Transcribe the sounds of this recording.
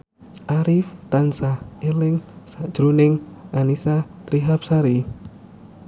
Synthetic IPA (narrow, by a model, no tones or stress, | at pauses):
ʔaɾɪft̪ansahelɪŋsad̥ʒ̥ɾunɪŋanisat̪ɾiɦap̚saɾi